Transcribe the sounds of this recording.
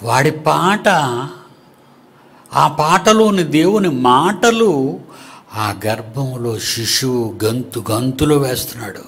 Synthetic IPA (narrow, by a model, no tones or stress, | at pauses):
ʋaːɽipaːʈɐ | aːpaːʈɐlo̞ːnid̪e̞ːwunimaːʈɐlu | aːɡɐɾbʱɐmlo̞ːʃiʂuɡɐnt̪uɡɐnt̪uloːʋeːst̪unːaːɽu